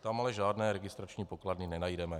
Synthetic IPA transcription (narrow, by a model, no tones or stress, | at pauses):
t̪amalɛʒaːdnɛːɾɛɡɪst̪ɾat͡ʃɲiːpokladnɪnɛnajdɛmɛ